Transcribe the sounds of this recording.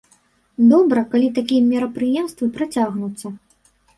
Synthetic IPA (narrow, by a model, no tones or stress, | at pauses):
d̪ɔbɾɐkalʲit̪akʲijɐmʲɛɾɐpɾɨjɛmst̪vɨpɾat͡sʲaɣnut̪sːɐ